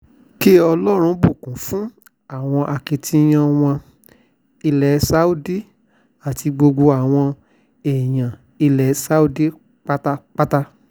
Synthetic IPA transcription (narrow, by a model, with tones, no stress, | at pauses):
ki˦ɔ˧lɔ˦ɾ̃ũ˧bu˦˨kũ˨˦fũ˦ | a˦˨w̃ɔ̃˧ʔa˧ki˨tʰĩ˦j̃ã˧w̃ɔ̃˧ | i˧lɛ˨˦sa˨˦u˦di˦ | a˨tʰi˧ɡ͡bo˧ɡ͡bo˧a˨w̃ɔ̃˧ | e˨j̃ã˨ | i˧lɛ˨˦sa˦u˦di˦ | k͡pa˦ta˦k͡pa˦ta˦